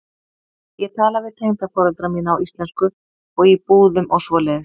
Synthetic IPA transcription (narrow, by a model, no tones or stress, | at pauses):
jɛɣt̪ʰaːlavɪðt̪ʰejŋt̪afɔːɾɛlt̪ɾamiːnaːwʔist̪lɛnskʏ | ɔɣipuːðʏmʔɔwsvɔːlɛðɪ